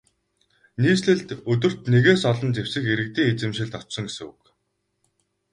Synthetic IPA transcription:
niːsɮɘ̆ɮt̪ɵt̪ɵ̆r̥t̪neɣeːsɔɮɞ̆nt͡sewsɘ̆xeɾɘ̆k̚t̪iːŋet͡sɘ̆mʃɪ̆ɮt̪ɔt͡ɕsɞ̆ŋɡesɘ̆ŋṵk

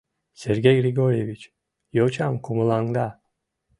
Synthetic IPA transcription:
sɛɾɡʲejɡɾiɡoɾevit͡ʃ | jot͡ʃʰamkʰumulˠaŋd̪a

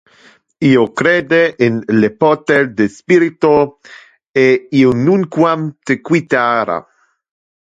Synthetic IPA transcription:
iokɾed̪eʔenlepot̪eɾd̪espiɾit̪o | eionuŋkwamt̪ekwit̪aɾa̰

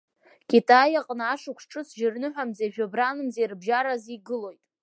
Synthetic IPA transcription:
kʲʼitʼajaqʼnaaʂɨkʷʰʂʈ͡ʂʰʼɨsʒɪrnɨħʷᶣamzaʒᶣobranɨmzejrbʒaɾaziɡɨlo̞jtʼ

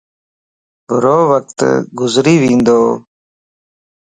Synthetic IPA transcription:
bʊɾoːwək̚t̪ɡʊzɾiːwĩːnd̪oː

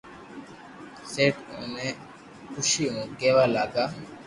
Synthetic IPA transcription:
seːʈṵ̃ːnẽː | kʰʊʃiːɦũːkeːʋaːlaːɡaː

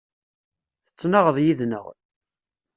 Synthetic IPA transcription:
θət͡sːnɑʁəðˤjiðnə̰ʁ

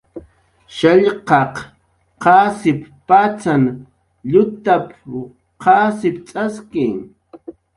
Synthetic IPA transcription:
ʃaʎqɑq | qɑːsɪppat͡san | ʎʊt̪ap | qɑːsɪpt͡sʼaskɪŋ

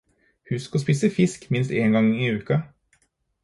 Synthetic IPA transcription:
hʉskɔspiːsəfɪskmɪnst̪eːŋɡɑŋɪːʉːkɑ

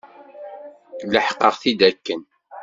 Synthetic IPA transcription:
ləħqəʁθid̪ækːən

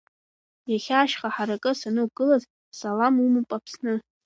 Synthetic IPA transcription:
jaχʲaːʃχaħaɾakʼɨsanɨɡɨlaz | salamumɨpʼapʰsnɨ

